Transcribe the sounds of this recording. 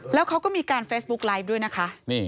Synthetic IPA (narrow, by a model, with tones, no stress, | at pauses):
lɛː˦˥wkʰa˦˥wkɔː˥˩miː˧kaː˧nfeː˦˥s̚bu˦˥k̚laː˦˥jp̚du˥˩əjna˦˥kʰa˦˥ʔmiː˥˩